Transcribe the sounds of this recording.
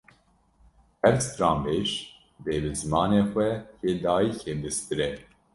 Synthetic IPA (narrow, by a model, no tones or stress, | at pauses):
ɛvst̪ɾɑːmbeːʃ | b̪eːbɨzɨmɑːneːxʷɛheːd̪ɑːjiːkʰeːbɨst̪ɨɾɛ